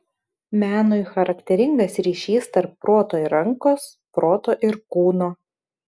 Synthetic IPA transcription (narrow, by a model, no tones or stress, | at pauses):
mʲæːnoɪxɐɾɐkt̪ʲɛɾʲɪŋɡɐsɾʲiːʃʲiːst̪ɐɾpːɾoːt̪oːiɾɐŋkoːs | pɾoːt̪oːʔɪɾkuːnoː